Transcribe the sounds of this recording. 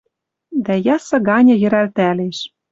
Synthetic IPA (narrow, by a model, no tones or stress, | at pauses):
d̪æjɑsɤ̆ɡɑnʲɤ̆jɘ̆ɾælt̪æleʃ